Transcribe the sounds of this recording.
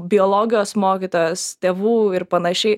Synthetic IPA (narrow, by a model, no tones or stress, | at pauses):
bʲɪoːlˠoːɡʲɪjoːsmoːkʲit̪oːjoːst̪ʲeːʋuːɪɾpɐnɐʃʲɛɪ